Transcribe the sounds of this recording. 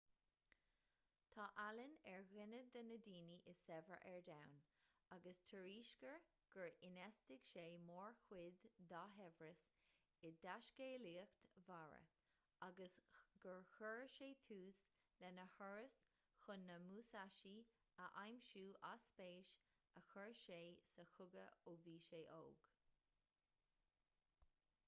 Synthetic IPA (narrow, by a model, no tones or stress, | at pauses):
t̪ʰɑːʔalənɛɹɣɪnəd̪ənədiːniʔɪsɛvəɹʔɛɹd̪awnaɡəstʰəɹiːʃkəɹ | ɡ̥əɹɪnɛstɪɡ̥ʃeːmoːɹxwɪd̪ːɑɦɛvɹəs | ɪd̪aʃɡeːliːəxt̪vaɹə̰ | aɡəsɡ̥əɹxəɹʃeːt̪ʰuːs | lɛnəhɔɹəs | xʊnːəmuːsaʃi | əʔajmʃuːʔaspeːʃ | əxəɹʃeːsəxʊɡəoviːʃeːʔo̰ːɡ̥